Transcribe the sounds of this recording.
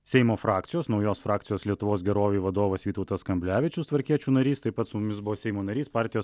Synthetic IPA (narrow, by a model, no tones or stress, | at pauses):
sʲɛɪmoːfɾɑːkt̪ʲɪjoːsnɒʊjoːsfɾɑːk̪̚sʲɪjoːslʲiɛt̪ʊʋoːsɡʲɛɾoːʋʲeːʋɐd̪oːʋɐsʋʲiːt̪ɔʊt̪ɐskɐmʲbʲlʲæːʋʲɪt͡ʃʲʊst̪ʋɐɾʲkʲiɛt͡ʃʲuːnɐɾʲiːst̪ɐɪpɐt̪sʊmʊmʲɪsbʊʋoːsʲɛɪmoːnɐɾʲiːspɑːˑɾʲt̪ʲɪjoːs